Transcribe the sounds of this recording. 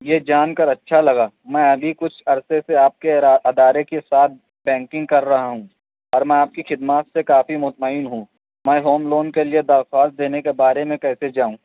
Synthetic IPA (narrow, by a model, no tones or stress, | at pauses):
jeːd͡ʒaːnkɐɾɐtːʃʰalɐɡaː | mɛ̃ːɐbʱikʊt͡ʃʰɐɾseseaːp̚keʔɐd̪aːɾekesaːt̪̚ʰ | bɛ̃ːŋkɪ̃ŋɡ̚kɐɾːɐɦaɦũ | ɔːɾmɛ̃aːp̚kixɪd̪maːt̪sekaːfimʊt̪maːɪnɦũː | mɛ̃ːɦoːmloːnkelied̪ɐɾxaːst̪̚d̪eːnekebaːɾemẽkɛːsed͡ʒaːũː